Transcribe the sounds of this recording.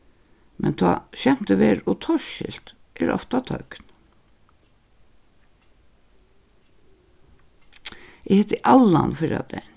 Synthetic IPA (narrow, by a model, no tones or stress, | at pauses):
mɛnt̪ʰɑ̰ːɕɛm̥t̪əʋeːɾʊt̪ʰɔʃɪlt̪ | ʔɛɾɔ̰ft̪at̪ʰœkn | ɛhɛt̪ːɪʔalːanfɪɾa̰d̪ɛn